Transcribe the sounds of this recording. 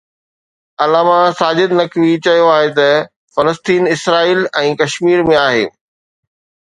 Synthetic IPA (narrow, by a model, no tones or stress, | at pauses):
ɐlaːmasaːd͡ʑɪd̪nɐkʋit͡ɕɐijoaːɦet̪ɐ | fɐləst̪iːnɪsɾaːiːlɛ̃ːkɐʃmiːɾmẽaːɦḛː